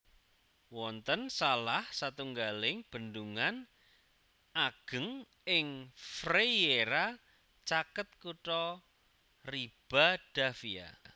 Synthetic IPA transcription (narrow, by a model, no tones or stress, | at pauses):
wɔnt̪ənsalahsat̪uŋɡalɪŋb̥ə̤nd̪uŋan | aɡ̥ə̤ŋ | ɪŋfrejeɾa | t͡ʃakət̪̚kuʈɔ | rib̥a̤ɖ̥a̤fia̰